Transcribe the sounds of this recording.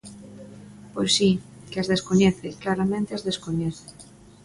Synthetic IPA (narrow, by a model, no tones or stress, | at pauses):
pojsi | keazðeskoɲɛθeklaɾamẽnt̪eazðeskoɲɛθɪ̥